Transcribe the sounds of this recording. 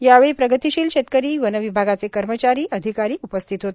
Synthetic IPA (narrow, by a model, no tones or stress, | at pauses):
jaʋeɭipɾəɡət̪iɕiːlɕet̪̚kəɾiːʋənəʋibʱaɡat͡sekəɾmət͡ɕaɾiːʔəd̪ʱikaɾiːupəst̪ʰit̪ɦot̪